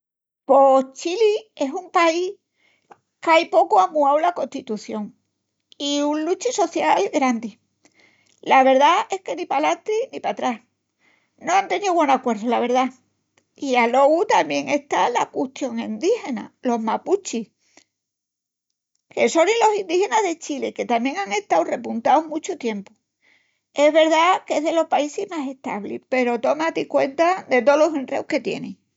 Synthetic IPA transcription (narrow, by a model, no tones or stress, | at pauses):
po̞t͡ʃilie̞sumpaih | kajpo̞koamuawlako̞nt̪it̪uθjo̞ŋ | iunlut͡ʃiso̞θjalɡɾand̪i | laβe̞ɾðae̞hke̞nipalat̪ɾinipat̪ɾas | noant̪e̞nioɣwenakwe̞ɾðolaβ̞e̞ɾða | ialo̞ɣut̪amje̞ŋe̞ht̪alakuht̪jo̞ŋĩnd̪ihe̞na̰lo̞ɦmaput͡ʃih | ke̞so̞nilo̞sind̪ihe̞naðe̞t͡ʃileke̞t̪amjeŋaŋe̞ht̪awre̞punt̪awmut͡ʃot̪je̞mpo | e̞zβe̞ɾðakeɦðe̞lo̞hpaisizmase̞ht̪a̰βlḭpe̞ɾo̞t̪o̞mat̪ikwe̞̰nt̪ad̪e̞t̪olosenrewke̞t̪jḛnḛ̃ŋ